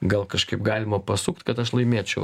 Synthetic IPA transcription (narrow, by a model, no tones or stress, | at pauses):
ɡɐlˠkɐʃkɐɪpɡɑːlʲɪmɐpɐsukt̪kɐt̪ɐʃlˠɐɪmʲeːt͡ʃʲɛʊ